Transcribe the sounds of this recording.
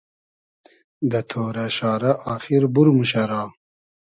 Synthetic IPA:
d̪ɐt̪ʰoːɾɐʃɑːɾɐʔɑːχiɾbuɾmuɕɐɾɑː

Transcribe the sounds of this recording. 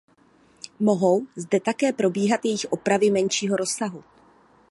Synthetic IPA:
moɦo̞wzdɛt̪akɛːpɾo̞biːɦat̪jɛjɪxʔo̞pɾavɪmɛnʃiːɦo̞ɾo̞saɦu

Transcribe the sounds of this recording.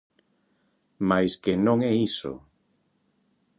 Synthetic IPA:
majskɪnõŋɛiso̰

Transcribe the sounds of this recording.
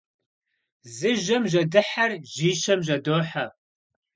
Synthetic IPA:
zɨʒɐmʒɐdɨħarʒiːʃɐmʑɐdoːħa

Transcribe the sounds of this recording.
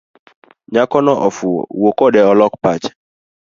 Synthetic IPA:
ɲakɔnɔʔɔfṵwokɔdɛɔlɔkpat͡ʃ

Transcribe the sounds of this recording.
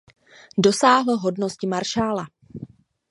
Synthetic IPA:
do̞saːɦl̩ɦo̞dno̞scɪmaɾʃaːla

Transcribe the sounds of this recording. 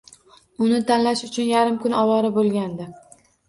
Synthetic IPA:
ʊnɪt̪ʰanlaʃʊt͡ʃʰʊnjaɾɪmkʊnɒwɒɾɪbolˠɡʲand̪ɪ

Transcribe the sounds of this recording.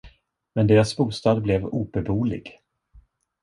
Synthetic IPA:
mɛnd̪eːɾasbuːst̪ɑːd̪blɛvuːbɛbuːlɪ̰ɡ

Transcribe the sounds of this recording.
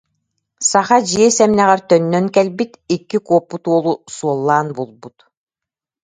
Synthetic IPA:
saχad͡ʑiɛsɛmnɛʁɛɾt̪œnːœŋkɛlbit̪ikːikuɔpːut̪uɔlˠusuɔlˠːaːnbulˠbut̪

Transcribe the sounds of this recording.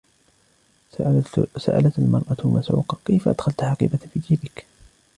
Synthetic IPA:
sa̰ʔa̰lat̪almɑɾˤʔamasʕṵːqɑkejfaʔad̪̥xalt̪ħɑqḭːbafiːd̪iːbɪk

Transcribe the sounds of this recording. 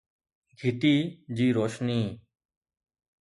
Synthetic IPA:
ɡʱɪt̪iːd͡ʑiːɾoːʃniː

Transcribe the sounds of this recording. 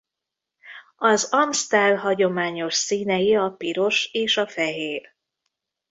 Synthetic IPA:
ɒzɒmst̪ɛrɦɒɟo̞maːɲo̞ʃsiːnɛjiɒpiɾo̞ʃeːʃɒfɛɦeːr

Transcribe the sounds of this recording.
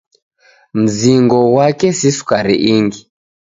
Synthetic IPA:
m̩ziŋɡɔwakɛsisu̥kaɾḭʔiŋɡi

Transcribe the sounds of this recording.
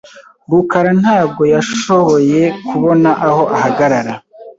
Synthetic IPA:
bukaɾan̥haːb̚ɡo̞jaʃo̞βo̞je̞kuβo̞naʔaho̞ʔahaɡaɾaɾa

